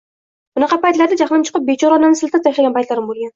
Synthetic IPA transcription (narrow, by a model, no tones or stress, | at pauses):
bʊnɑqʰɑpajt̪laɾd̪ad͡ʒaχmant͡ʃʰɨ̥qʰɨp̚bet͡ʃʰɒɾɒnanɪsɪlt̪ʰat̪ʰaʃlaɡʲanpajt̪laɾɪmbolˠɡʲan